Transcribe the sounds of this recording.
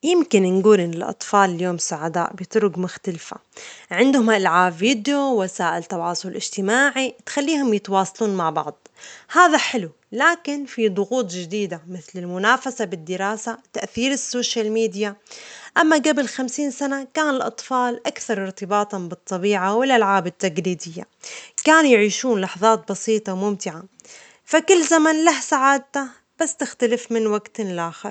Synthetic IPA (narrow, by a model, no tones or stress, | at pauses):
jɪmkɪnnɡuːlʔɪnːɪlʔɑ̰t̪ˤfɑːlɪljoːmsaʕad̪a̰ːʔbɪt̪ɾʊɡmʊxt̪alfa̰ʕɪnd̪hʊmʔɪlʕaːbːiːd̪jowasaːʔɪlt̪ɑwɑːsˤʊlʔɪd͡ʒt̪ɪmaːʕit̪xalːiːhʊmjɪt̪wɑːsˤɑluːnmaʕbɑ̰ʕd̪ˤhaːðaħɪlu | laːkɪnfid̪ˤʊɣuːt̪ˤd͡ʒɪd̪iːd̪amɪθlɪlmʊnaːfasabɪd̪ːɪɾaːsat̪aʔθiːɾɪsːoːʃalmiːd̪ijaʔamːaɡabɪlxamsiːnsanakaːnɪlʔɑt̪ˤfɑːlʔakθɑɾˤɪɾt̪ɪbɑːt̪ˤbɨt̪ˤːɑbiːʕawɪlʔalʕaːbɪt̪ːaɡliːd̪ɪjːa̰kaːnujʕiːʃuːnlɑħɑðˤɑːt̪̚bɑsiːt̪ˤɑwmʊmt̪ɪʕa | fakʊlːzamanlahsaʕaːd̪̚t̪a | b̥asːt̪ɪxt̪alɪfmɪnwaɡt̪ɪlʔaːxɪɾˤ